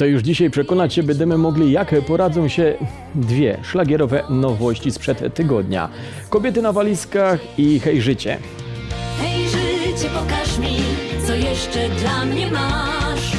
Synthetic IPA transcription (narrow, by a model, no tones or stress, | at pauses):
t̪ɔjuʐd͡ʑiɕajpʂɛkɔnat͡ɕɕɛbɛnd̪ɛmɘmɔɡlʲijakpɔɾad̪zɔ̃w̃ɕɛ | d̪vʲjɛʂlaɡʲɛɾɔvɛnɔvɔɕt͡ɕispʂɛt̪ːɘɡɔd̪ɲa̰ | kɔbʲjɛt̪ɘnavalʲiskaxixɛjʐɘt͡ɕɛ̰ | xɛjʐɪt͡ɕɛpɔkaʂmʲit̪sɔjɛʂt͡ʂɛd̪lamɲɛmaʂ